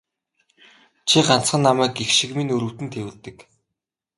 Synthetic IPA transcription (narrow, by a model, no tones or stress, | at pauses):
t͡ɕʰiɢan̥t͡sχə̆nːamæːkixʃĭkminɵɾɵ̆w̥t̪ɘ̆nt̪ʰewɘ̆ɮt̪ɘ̆k